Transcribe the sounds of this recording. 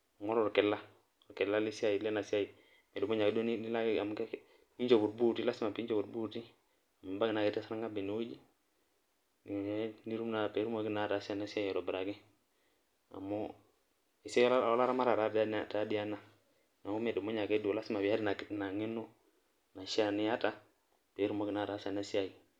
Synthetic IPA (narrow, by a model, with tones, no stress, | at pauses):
ŋɔ˦ɾo˨ɾke˨la˦˨ | ɾke˨la˦li˦si˦a˨ji˨le˦na˨si˦a˦ji˨ | me˨do˨mo˦ɲa˨ke˦do˦ni˦la˦ke˦a˨m˨ke˦ | i˦d͡ʒo˨bu˨ɾbu˦˨ti˦la˦si˦ma˨pi˦d͡ʒo˨bu˨ɾbu˦ti˦˨ | ma˨ba˦ɡɪ˨na˨ke˦tːa˦sa˦ɾa˦ŋɡa˦be˨ni˨˦wo˦d͡ʒi˦˨˦ | ni˦ɾu˦mna˨pe˨˦ɾu˦ma˨ɡi˦na˨ta˨˦si˦a˨na˨˦sa˦jo˨ɾo˨bɾa˨ki˦ | a̰˨mo˦ | i˨se˦jɔ˦la˦ɾa˦ma˦ɾa˨ɾa˨˦dta˨˦di˦ja˦na˨ | na˨u˦me˨do˨mo˦ɲa˨ke˦do˨la˦si˦ma˨wi˨a˦di˦na˨ktna˨ŋi˦no˦ | na˨ʃa˦˨ni˨˦ja˦ta˨ | pe˨˦ɾu˦mo˨ki˨na˨˦˨ta˨˦sa˨na˦si˦ja˦i˨